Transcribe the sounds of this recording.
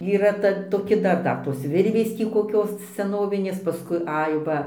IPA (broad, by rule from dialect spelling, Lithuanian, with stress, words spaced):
iːˈrɐ ˈtɐ toːˈkʲɪ ˈdɐr ˈdɐr toːs ˈʋʲɪrʲʋʲeːs ˈtʲiː koːˈkʲoːs sʲɛˈnoːʋʲɪnʲeːs pɐˈskʊɪ ˈɐɪ ˈʋɐ